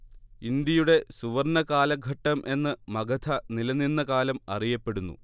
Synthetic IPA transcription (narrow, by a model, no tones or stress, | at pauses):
ind̪jɐjuɽe̞suʋɐrɳɐkaːlɐɡʱɐʈːɐmʔe̞nːɨmɐɡɐt̪ʰɐnilɐnːinːɐkaːlɐmɐ̰rijɐpːe̞ɽunːṵ